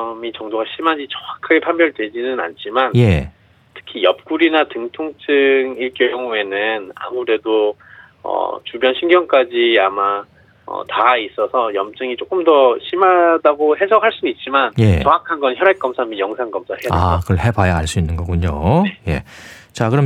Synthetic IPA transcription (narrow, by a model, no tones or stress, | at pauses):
mit͡ɕʌŋdoɡaɕʰimad͡ʑit͡ɕʌakʰaɡepʰanbjʌɭdwe̞d͡ʑinɯna̰nt͡ɕʰimanje̞ | tʰɯ̥kʰijʌp̚k͈uɾinatɯŋtʰoŋt͡ɕ͈ʰɯŋiɭk͈jojʌŋue̞nɯna̰muɾe̞do | ʌ̰t͡ɕubjʌnɕʰinɡjʌŋk͈ad͡ʑiama | ʌ̰tais͈ʌsʰʌjʌmt͡ɕ͈ɯŋit͡ɕ͈ok͈ɯmdʌɕʰimadaɡohe̞sʰʌkʰaɭs͈uit̚t͡ɕ͈imanjeʌŋakʰanɡʌnçjʌɾak͈ʌmsʰamijʌŋsʰaŋɡʌmsʰaheaakɯʌɭhe̞bajaaɭs͈uinːɯnɡʌɡuɲoje̞̰ | t͡ɕakɯɾʌm